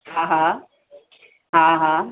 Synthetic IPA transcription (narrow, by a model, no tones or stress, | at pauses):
hãɦã | ɦãɦã